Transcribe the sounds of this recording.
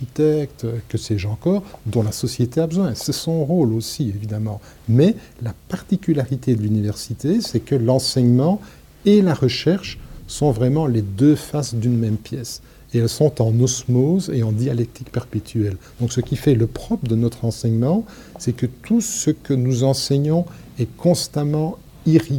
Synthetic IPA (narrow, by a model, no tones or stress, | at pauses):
it̪ɛk̚t̪kəsɛʒɑ̃kɔːʁd̪ɔ̃lasɔsjet̪eabəzwɛ̃sɛsɔ̃ʁolosievid̪amɑ̃ | mɛlapaʁt̪ikʲylaʁit̪ed̪əlynivɛʁsit̪esɛkəlɑ̃sɛɲmɑ̃ | elaʁəʃɛʁʃsɔ̃vʁɛmɑ̃led̪øfasd̪ynmɛmpjɛs | eɛlsɔ̃t̪ɑ̃nɔsmozeɑ̃d̪ijalɛk̚t̪ʰikpɛʁpet̪ʰyɛld̪̥ɔ̃ksəkʲifɛləpχɔpd̪ənɔt̪χɑ̃sɛɲmɑ̃ | sɛkət̪ʰusəkənuzɑ̃sɛɲɔ̃ | ɛkɔ̃st̪amɑ̃ | iʁi